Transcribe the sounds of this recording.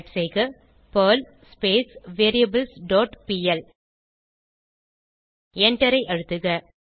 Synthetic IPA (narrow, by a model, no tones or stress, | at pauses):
ʈsejɣɯ | pɐːl | speːsʋeːɾiɐbɐlsɖoːʈpiːɛl | ɛɳʈɐɾɐɪʔɐɻɯt̪ːɯɣɐ